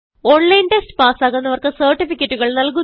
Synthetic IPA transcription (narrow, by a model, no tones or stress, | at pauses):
oːɳlɐjnʈestɨ̥paːsaːɣɐnːɐʋɐrkɨsɐːrʈːifikʲːɐtːuɣɐɭnɐlk̬u